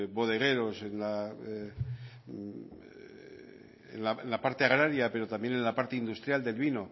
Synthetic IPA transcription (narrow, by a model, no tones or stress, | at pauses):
βo̞ð̞e̞ɣ̞e̞ɾo̞se̞nla | ḛnlaenlapaɾt̪e̞aɣ̞ɾaɾjape̞ɾo̞t̪ambje̞ne̞nlapaɾt̪e̞ind̪ust̪ɾjald̪e̞lβino̞